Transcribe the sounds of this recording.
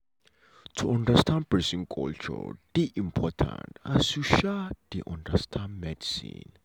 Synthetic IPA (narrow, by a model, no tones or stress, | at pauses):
tʰuɔ̃ndəstʰãndpɛsĩnkʰɔ̰lt͡ʃɔ̰d̥iʔĩmpʰɔtʰã̰ntasuʃad̥iʔɔ̃ndəstʰãndmɛdisḭ̃n